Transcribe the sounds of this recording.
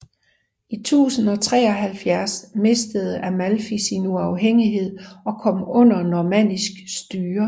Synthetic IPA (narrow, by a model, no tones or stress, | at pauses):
it͡sʰṵːsn̩ɒ̽t͡sʰʁɛ̰ːɒ̽ɦælfjæɐsme̝sd̥əð̞̩ˠəæmælfisinuɑ̈ʊɦeŋ̰iɦe̝ð̞̰ˠɒ̽kʰɒ̽m̰ɔ̽n̰ɐnɒmæn̰isɡ̥sd̥yːɐ